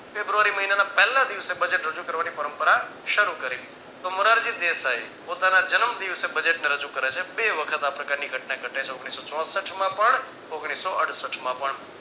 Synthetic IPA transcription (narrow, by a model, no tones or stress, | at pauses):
febɾuaɾiməɦinanapɛlːad̪iʋsebəd͡ʒeʈɾəd͡ʒukəɾʋanipəɾəmpəɾaʃəɾukəɾĩ | t̪omʊɾaɾd͡ʒid̪esajpot̪anad͡ʒənəmd̪iʋsebəd͡ʒeʈneɾəd͡ʒukəɾet͡ʃʰebeʋəkʰət̪apɾəkaɾniɡʱəʈnaɡʱəʈʰajt͡ʃʰeoɡɽ̃isːot͡ʃɔ̃səʈʰmãpəɳ | oɡɽ̃isːoʔəɽsəʈʰmãpəɳ